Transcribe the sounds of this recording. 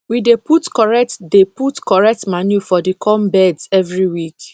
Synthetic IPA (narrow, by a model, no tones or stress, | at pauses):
wideputkɔɹɛk̚tdeputkɔɹɛk̚tmanjufɔdikʰɔmbɛdsɛvɹiwik